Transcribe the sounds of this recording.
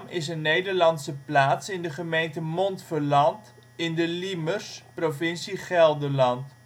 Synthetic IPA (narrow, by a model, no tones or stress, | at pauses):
mɪsənːejdəɹlɑnsəplaːtsɪndəχəmejntəmɔntfəɹlɑnt | ɪndəlimərsprofɪnsiχɛlˠdəlɑnt